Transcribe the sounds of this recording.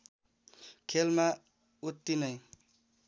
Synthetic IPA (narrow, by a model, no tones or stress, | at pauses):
kʰelma | ut̪ːinʌj